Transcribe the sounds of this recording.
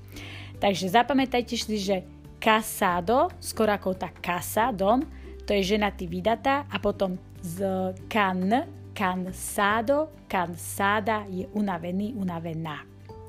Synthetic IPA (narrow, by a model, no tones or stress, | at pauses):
t̪aɡʒɛzapamɛt̪ajcɛʃsiʒɛ | kasaːd̪ɔskɔɾɔakɔɔt̪akːasad̪ɔm | t̪ɔjɛʒɛnat̪iʋid̪at̪aːʔapɔt̪ɔm | zkan | kansaːd̪ɔ | kansaːd̪ajɛʔunaʋɛniːʔunaʋɛnaː